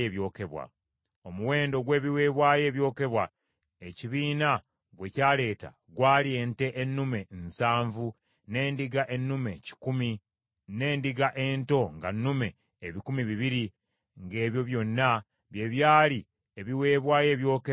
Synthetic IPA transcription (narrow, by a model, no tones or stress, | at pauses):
eβjo̞ːke̞βwa̰ | o̞muwe̞ːndo̞ɡwe̞ːβiwe̞ːβwaːje̞ːβjo̞ːke̞βwa | eciβiːna | ɡwe̞caːle̞ːta̰ | ɡwaːlie̞ːnte̞ʔenːume̞nsaːɱvu | ne̞ːndiɡaʔe̞nːume̞ci̥kumi | ne̞ːndiɡaʔe̞ːnto̞ŋɡanːume̞ː | βikumiβiβiɾi | ŋɡe̞ːβjo̞βjo̞nːa | βje̞βjaːli | eβiwe̞ːβwaːje̞ːβjo̞ːke